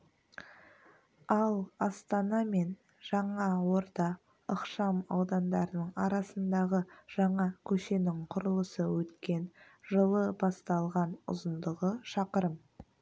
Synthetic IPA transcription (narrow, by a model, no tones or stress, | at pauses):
ɑlˠɑst̪ɑnɑme̞n | ʒ̥ɑɴɑwo̞ɾd̪ɑ | əqʃɑmɑwd̪ɑnd̪ɑɾənəɴɑɾɑsənd̪ɑʁəʒ̥ɑɴɑkʲʰɵʃe̞nɪŋqʰʊɾəlˠəsəwɵt̪kʲe̞n | ʒəlˠəbɑst̪ɑlˠʁɑnʊ̰zənd̪əʁəʃɑqəɾəm